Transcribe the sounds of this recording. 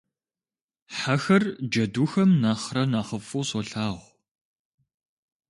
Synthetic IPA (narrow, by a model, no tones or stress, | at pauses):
ħaxɐrd͡ʒɐduːxɐmnaːχrɐnaːχəfuːsɔɬaːʁʷ